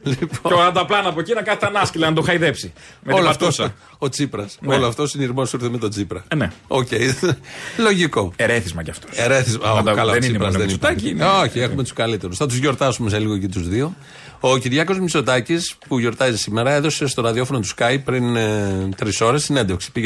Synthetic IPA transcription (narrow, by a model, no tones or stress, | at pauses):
lipooɾɐd̪ɐplɐnɐpocinɐkɐθi̥t̪ɐnɐscilɐnɐt̪oxɐjðepsi | metoloft̪os | ot͡sipɾɐsnoloɐft̪osiniɾmosiɾθemet̪o̞t͡sipɾɐneocej | lo̞ʝiko̞eɾeθizmɐcɐft̪oeɾeθizmɐkɐlɐenipɾɐzðenit̪ɐcnoçiexumet̪u̥skɐlit̪e̞ɾusθɐt̪uzʝo̞ɾt̪ɐsumes̬eliɣocit̪uzðio̞ | ociɾʝɐko̞zmiso̞t̪ɐcispuʝo̞ɾt̪ɐzisimeɾɐe̞ðo̞se̞st̪o̞ɾɐðio̞fo̞not̪u̥skɐjpɾint̪ɾiso̞ɾe̞sːine̞nd̪efksi̥pi